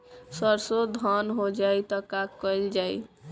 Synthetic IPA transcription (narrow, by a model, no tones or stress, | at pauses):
səɾsod̪ʱɔnɦod͡ʒajt̪ɔkakːəld͡ʒaj